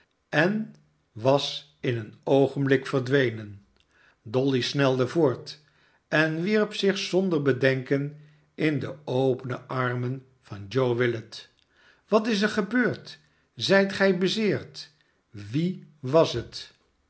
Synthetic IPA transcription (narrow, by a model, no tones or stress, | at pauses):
ɛn | ʋɑs | ɪnənowχənblɪkfəɹdʋejnən | dɔlisnɛlˠdəvoːɹt | ɛnʋiɹpsɪχsɔndəɹbədɛŋkən | ʔɪndəowpənəʔɑɹmən | v̥ɑnd͡ʒowʋɪlət | ʋɑtɪs̬əɹχəbøːɹt | zɛjtχɛjbəzɪːɹt | ʋiʋɑsɦət